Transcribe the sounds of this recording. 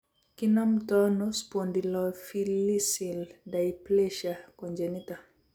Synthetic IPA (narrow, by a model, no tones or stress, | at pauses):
kinam̩tɔnospɔndilɔfilisildajplɛʃakɔnd͡ʒɛnita